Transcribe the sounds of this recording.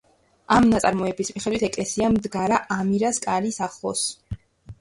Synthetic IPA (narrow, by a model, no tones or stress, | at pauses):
amnat̪sʼa̰ɾmɔɛbismiχɛd̪wit̪ʰɛkʼlɛsiamd̪ɡaɾaʔamiɾaskʼaɾisaχˠɔ̰s